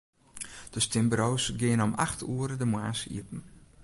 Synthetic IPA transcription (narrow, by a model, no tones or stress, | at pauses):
d̥əstɪmbɾowsɡɪənoma̰xtʰuəɾədəmwaːsḭəpn̩